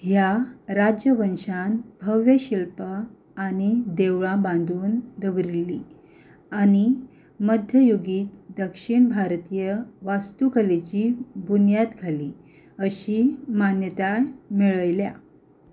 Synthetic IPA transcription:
ɦjaɾad͡ʑjəʋənɕanbʱəʋjəɕilpaː | ñid̪eʋɭãbãnd̪ʱuːnd̪əʋɾilːi | aɽ̃i | məd̪ʱjəjoɡiːt̪d̪əkʂiɳbʱaɾt̪ijəʋast̪ukəlet͡ɕibunjat̪ɡʱali | əɕiːmanjət̪amiɭəjlja̰

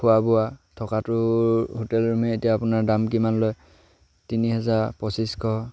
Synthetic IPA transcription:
kʰʊwabʊatʰɔkatʊɦotɛlɹumɛetijaːpʊnaɹdamkimanloj | tiniɦɛzaɹpɔsiskʰɔ

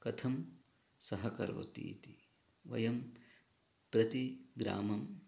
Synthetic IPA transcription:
kɐt̪ʰɐm | sɐɦɐkɐɾo̰ːt̪ḭːt̪i | ʋɐ̰jɐm | pɾɐt̪iɡɾa̰ːmɐm

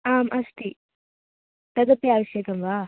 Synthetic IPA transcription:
aːmʔɐst̪i | t̪ɐd̪ɐpːiaːʋɐʃjekɐmʋaː

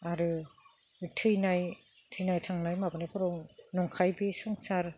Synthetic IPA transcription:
aɾɯ | tʰɯjnaj | tʰɯjnajtʰaŋnajmabɯnakʰɔɾɔwnɔŋkʰajbisɔŋsaɾ

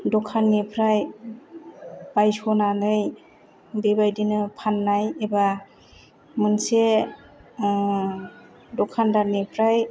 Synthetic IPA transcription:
dɔkʰanːipʰɾaj | b̥ajsɔnanɯj | bebajdinɯpʰanːajeba | mɯnse | dɔkʰandanipʰɾaj

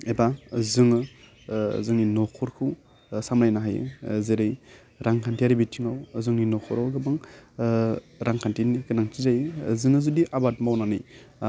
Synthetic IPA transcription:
ebazɯŋɯ | zɯŋninɔkʰɔɾkʰɯw | samɾajnaɦajɯ̰zeɾɯj | ɾaŋkʰantʰiaɾibitʰiŋawzɯŋninɔkʰɔɾawɡɯbɯŋ | ɾaŋkʰantʰinikɯnaŋtʰizajɯzɯŋɯzudiʔabat̚mawnanɯj

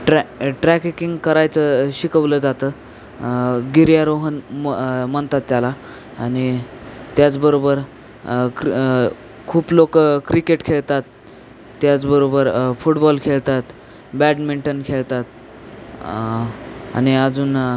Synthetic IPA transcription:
ʈɾʈɾækkiŋɡkəɾajt͡səɕikəʋləːd͡zat̪əː | ɡiɾjaɾoɦən | məɳt̪at̪ːjala | añi | t̪jat͡sbəɾobəɾ | k | kʰuːplokəkɾikeʈkʰeɭt̪at̪ː | jat͡sbəɾobəɾfuʈbɔlkʰeɭt̪at̪ | bæɖmiɳʈənkʰeɭt̪at̪̚ | a̰ñiəd͡zuːn

